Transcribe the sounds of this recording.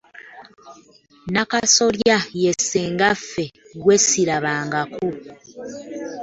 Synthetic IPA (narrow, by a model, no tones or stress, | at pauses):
nakaso̞ljajeseːŋɡafeɡwesiɾaβaːŋɡako